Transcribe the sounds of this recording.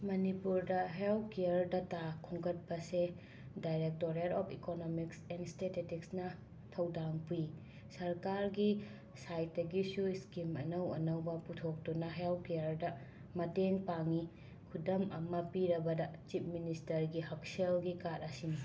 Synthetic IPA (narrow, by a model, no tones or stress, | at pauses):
mɐnipuɾdɐɦelp̚kejɐɾdɐtakʰuŋɡɐt̚pɐse | dajɾek̚toɾetopʰikonomiksenstetetiksnɐ | tʰɐwdaŋpu | sɐɾkaɾɡi | sajt̚ːɐɡisuiskimɐ̰nɐwɐ̰nɐwbɐputʰok̚tunɐɦelp̚kejɐɾdɐ | mɐteŋpaŋi | kʰudɐmɐmɐpiɾɐbɐdɐt͡ʃip̚ministɐɾɡiɦɐk̚selɡikaɾɐsinɐ